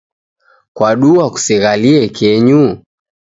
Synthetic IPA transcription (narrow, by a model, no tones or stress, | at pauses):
kwaɗuaku̥siɣaliɛkɛɲu